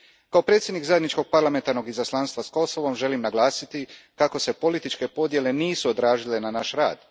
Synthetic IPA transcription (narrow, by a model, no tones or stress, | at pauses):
kao̞pɾe̞ːt̪sʲjed̪nikzajed̪nit͡ʃko̞ɡ̚paɾlˠame̞nt̪aɾno̞ɡizaslˠaːnst̪ʋasko̞soʋo̞mʒe̞limnaɡlˠaːsit̪ikako̞se̞po̞lit̪it͡ʃke̞po̞d̪je̞le̞niːsuod̪ɾaːʒile̞nanaʃɾa̰ːd̪̥